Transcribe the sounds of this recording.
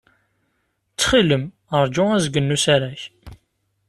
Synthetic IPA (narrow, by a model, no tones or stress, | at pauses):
t͡sːχiləm | əɾˤd͡ʒʊæzɡənːusaɾæç